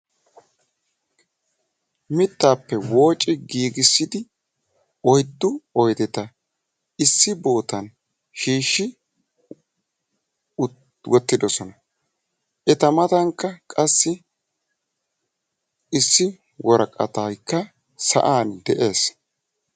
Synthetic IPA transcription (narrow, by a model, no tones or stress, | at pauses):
mɪt̪ːaːpːɛwo̞ːt͡ʃʼːɪɡiːɡɪsːɪd̪ɪ | ɔjd̪ːʊɔjd̪ɛt̪ɐ | ɪsːɪbo̞ːt̪ɐn | ʃiːʃːɪ | wɔt̪ːɪd̪ɔsɔnɐ | ʔɛt̪ɐmɐt̪ɐŋkːɐkʼɐsːɪ | ɪsːɪ | wɔɾɐkʼɐ̰t̪ɐjkːɐ | sɐ̰ʔaːnd̪ɛʔe̞ːs